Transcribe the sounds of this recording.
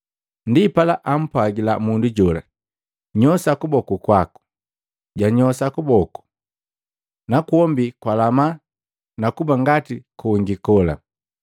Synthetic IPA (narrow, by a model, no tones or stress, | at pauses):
ndipalaʔam̩pwaɡilamunduɟɔla̰ | ɲɔsakubɔkukwaku̥ | ɟaɲɔsakubɔku̥ | nakuɔmbikwalama | nakubaŋɡatikuuŋɡikɔla̰